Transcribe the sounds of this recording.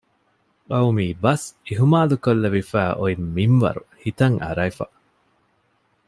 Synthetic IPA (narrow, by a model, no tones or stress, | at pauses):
ɐwmiːbɐsiɦumaːlukolːɐʋifæːʔoimːinʋɐ̰ɾuhit̪ɐŋʔɐ̰ɾɐjfɐ̰